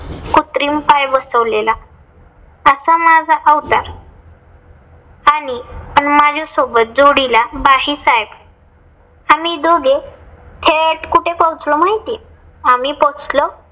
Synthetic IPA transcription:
kut̪ɾimpajʋəsəʋlela | əsamad͡zʱaʔawt̪aɾ | aɽipəɳmad͡ʑʱɔsobət̪̚d͡zoɽilabaɦiːt͡sajb | amid̪oɡet̪ʰeʈkuʈʰepɔwt͡slɔmaɦit̪ie | amipowt͡slɔ

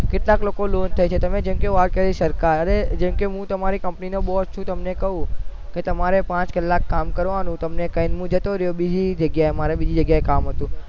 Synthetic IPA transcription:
kɪʈlaklokolont̪ʰəjt͡ʃʰet̪əmed͡ʒemkeʋat̪̚kəɾisəɾkaɾəɾed͡ʒemkeɦũt̪əmaɾikəmpninobɔɦst͡ʃʰũt̪əmnekəɦũket̪əmaɾepãt͡ʃkəlːakːamkəɾʋanũt̪əmnekəɦinmũd͡ʒət̪oɾjobid͡ʒid͡ʒəɡjaemaɾebid͡ʒid͡ʒəɡjaekamɦət̪ũ

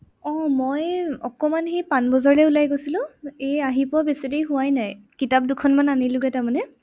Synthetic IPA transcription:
ɔmɔjɔkɔmanxejpanbɔzɔɹlɛulajɡojsilʊ̃ejaɦipɔbesidejɦʊwajnajkitap̚dukʰɔnmananilʊɡɛtamanɛ

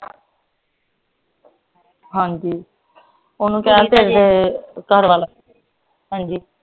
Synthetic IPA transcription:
ɦãːɲd͡ʒiː | oːnũːkɛːat̪eːɾd̪eːkəɾʋaːla | ɦãːd͡ʒiː

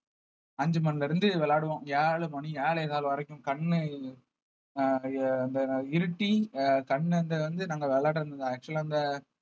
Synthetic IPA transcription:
ɐɲd͡ʒɯmɐnːlɪɾɯnd̪ɯʋɛɭaːɽɯʋõːaːɭɯmɐɳieːɭɛðaːlʋɐɾɛkːʊ̃mkɐɳː | nd̪ɐɪɾɯʈːikɐɳːɯnd̪ʋɐnd̪ɯnaːŋɡɐʋɛɭaːʈɯɾɯnd̪ɯŋd̪ãːɐk̚t͡ʃʊlɐnd̪ɐ

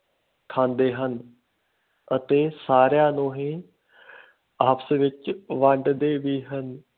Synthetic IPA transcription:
kʰãːnd̪eːɦən | ət̪eːsaːɾjãːnũːɦĩː | aːpsʋɪt͡ʃʋə̃ɳɖd̪eːʋiːɦən

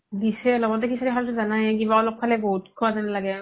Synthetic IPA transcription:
disɛɔlɔbɔtɛkisaɾiɦaltʊzanajkibaɔlɔkʰːalɛbɔɦutkʰɔwazanalaɡɛ

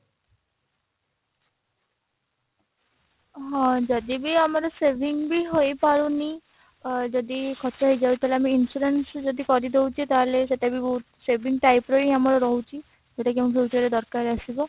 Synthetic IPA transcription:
ɦɔ̃d͡ʒɔd̪ibiamɔɾɔsebʱiŋbiɦojpaɾuni | d͡ʒɔd̪ikʰɔt̪ɔɦojd͡ʒabut̪aleamiːnsuɾensd͡ʒɔd̪ikɔɾid̪oɦwt͡ʃʰit̪aɦleseʈabio | sebʱiŋʈajpɾoiamɔɾɔɾɔɦwt͡ʃʰi | eʈakiampʰuwt͡ʃɔɾed̪ɔɾkaɾasibɔ

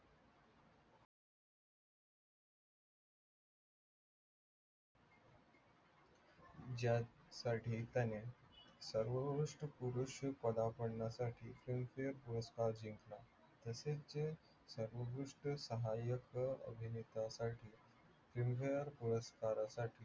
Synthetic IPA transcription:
d͡ʑjasaʈʰiːt̪anesəɾʋəbɾuʂʈəpuɾuɕpəd̪apəɽɳasaʈʰiːfɾimfejəɾpuɾəskaɾd͡ʑiŋkla | t̪əset͡se | səɾʋəɡɾuʂʈəsəɦajəkə̰bʱinet̪asaʈʰiː | fɾimfejəɾpuɾəskaɾasaʈʰiː

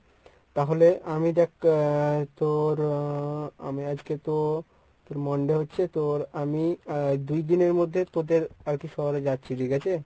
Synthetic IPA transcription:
t̪aɦoleamid̪ɛk | t̪oɾ | a̰miad͡ʑket̪o | t̪oɾmɔɳɖeɦotːɕʰet̪oɾamid̪ujd̪ineɾmod̪ʱːet̪od̪eɾaɾkiʃɔɦoɾed͡ʑatːɕʰiɖ̪iɡɛt͡ɕʰe

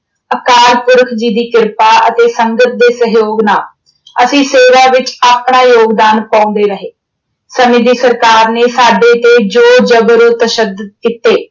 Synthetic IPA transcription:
əkaːɾpʊɾkʰd͡ʒiːd̪iːkɪɾpaːʔət̪eːsəŋɡət̪̚d̪eːsəɦjoːɡnaː | əsĩːseːʋaːʋɪt͡ʃaːpɳaːjoːɡd̪aːnpãːnd̪eːɾəɦeː | səmɪd̪iːsəɾkaːɾneːsaːɖeːt̪eːd͡ʒoːd͡ʒəbɾoːt̪əʃəd̪ət̪̚kiːt̪eː

